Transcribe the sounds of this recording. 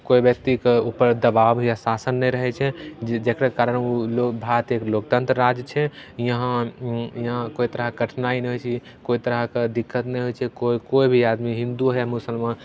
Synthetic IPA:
koibjək̚t̪ikeupəɾd̪əbabjasasənːɛɾəɦɛt͡ʃʰɛd͡ʒekɾekaɾənulobʱat̪eklok̚t̪ə̃nt̪ɾəɾad͡ʒt͡ʃʰɛjəɦãjɦãkoit̪əɾəɡʱəʈʰnainɛɦojt͡ʃʰi | koit̪əɾəɦked̪ikʰːət̪nɛɦojt͡ʃʰɛkoikoibʱiad̪miɦĩnd̪uɦɛmʊsəlmãn

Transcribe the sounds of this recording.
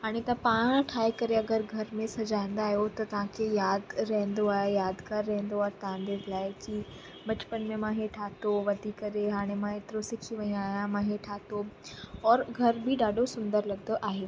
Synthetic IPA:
ɦaːɽ̃et̪ɐpaːɽ̃ʈʰaːikɐɾeɐɡəɾɡʱɐɾmẽsɐd͡ʑaːẽn̆d̪aːɦijot̪ɐt̪ɐʋ̤ãkʰejaːd̪ɾɐɦə̃n̆d̪oaːɦejaːd̪kaɾːɐɦə̃nd̪oaːɦet̪ɐãnd̪eːzlaːɪki | bɐt͡ɕpənmẽmãːɦeʈʰaːt̪oʋɐd̪ʱikɐɾeɦaːɽ̃emãeːt̪ɪɾosɪkʰiʋɐ̃aːɦijãmãɦeʈʰaːt̪oɔːɾɡʱɐɾbʱɪɗaːɖʱosʊ̃nd̪əɾlɐɡd̪oʔaːɦeː

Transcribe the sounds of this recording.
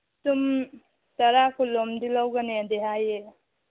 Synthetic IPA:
tum | tɐɾakʰulɔmd̪ilawɡanead̪eɦaje

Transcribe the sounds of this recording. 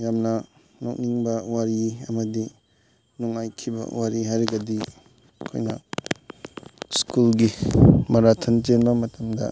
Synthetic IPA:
jamnɐ | nok̚niŋbɐwaɾiɐmɐdi | nuŋajkʰibɐ̰waɾiɦajɾiɡɐdi | kʰo̰jnɐ | skulɡimɐɾatʰɐntenbɐmɐtɐmdɐ̰

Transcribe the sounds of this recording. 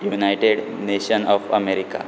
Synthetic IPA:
junajʈeɖ | neɕənɔfə̰meɾika̰

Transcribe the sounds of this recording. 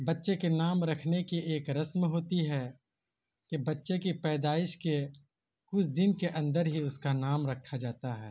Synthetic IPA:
bɐtːʃekenaːmɾɐkʰnekiʔeːkɾɐsmɦoːt̪iɦɛ | kebɐtːʃekipɛːd̪aːɪʃke | kʊt͡ʃʰd̪ɪnkeʔɐ̃nd̪əɾɦiʊskanaːmɾɐkʰːad͡ʒaːt̪aɦɛ̰ː

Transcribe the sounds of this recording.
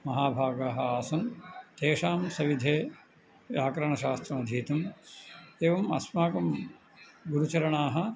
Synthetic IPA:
mɐɦaːbʱaːɡaːɦɐaːsɐnt̪eːʂaːmsɐʋid̪ʱeː | jaːkɾɐɳɐʃaːst̪ɾɐmɐd̪ʱiːt̪ɐm | eːʋɐmɐ̰smaːkɐm | ɡuɾut͡ʃɐɾɐɳaːɦɐ̆

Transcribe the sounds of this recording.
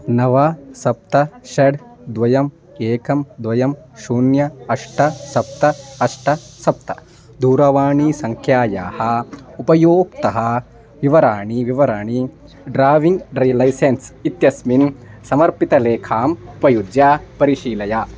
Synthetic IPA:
nɐʋɐsɐp̚t̪ɐʃɐɽd̪ʋɐjɐm | eːkɐmd̪ʋɐjɐm | ʃuːnjɐɐʂʈɐsɐp̚t̪ɐɐʂʈɐsɐp̚t̪ɐ | d̪uːɾɐʋaːɳisɐŋkʰjaːjaːhɐ̆upɐjoːkt̪ɐɦɐ̆ | ʋiʋɐɾaːɳiʋiʋɐɾaːɳi | ɖɾaːʋiŋɡɖɾilɐjsensit̪jɐsminsɐmɐɾpit̪ɐleːkʰaːmupɐjud̪jaːpɐɾiʃiːlɐjaː

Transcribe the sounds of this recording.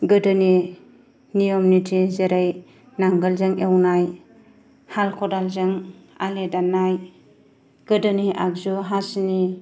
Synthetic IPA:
ɡɯdɯni | nijɔmnitʰizeɾaj | naŋɡalzɯŋewnaj | halkʰɔdalzɯŋaledanːaj | ɡ̥ɯdɯniʔa̰ɡzuɦasni

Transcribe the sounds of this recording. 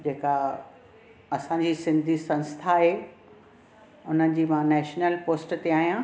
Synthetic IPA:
d͡ʑeːka | ɐsãɲd͡ʑiːsɪ̃nd̪ʱisɐ̃nst̪ʰaɦeː | ʊnəd͡ʑiːmãnɛːʃnəlpoːsʈt̪eaːɦijã

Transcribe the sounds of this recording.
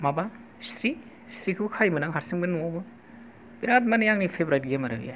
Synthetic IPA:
maba | stɾi | stɾikʰɯkʰajmɯnaŋɦaɾsiŋbɯnuabɯ | biɾat̬̚manijaŋnipʰebɾaɾiɡemaɾa̰ɡḭja

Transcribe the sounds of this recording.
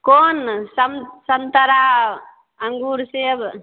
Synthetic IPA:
koːnsəmsənt̪əɾa | əŋɡuːɾseb

